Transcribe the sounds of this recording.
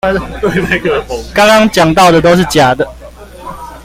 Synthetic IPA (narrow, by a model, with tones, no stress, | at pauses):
t̪we˥˩ɪma˥˩kə˧˩˨kɑ˥ŋkɑ˥ŋt͡ɕjɑ˨˩ŋt̪ɑ˥˨ʊd̪ə˨t̪o˥ʊʂ̬̩˥˩t͡ɕja˨˩d̪ə˦